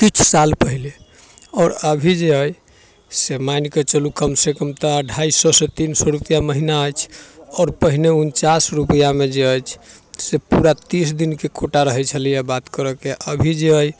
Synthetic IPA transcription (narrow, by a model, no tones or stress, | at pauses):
k̪it͡ʃʰsalpəɦile | ɔːɾəbʱid͡ʒeəj | semajnket͡ʃəlukəmsekəmt̪əəɖʱaisɔsẽt̪insəɾupijaməɦinaəjt͡ʃʰɔːɾpəɦineunt͡ʃasɾupəjamed͡ʒeəjt͡ʃʰsepuɾat̪isd̪inkekoʈaɾəɦɛt͡ʃʰəlijabat̪kəɾɔkeʔəbʱid͡ʒeəj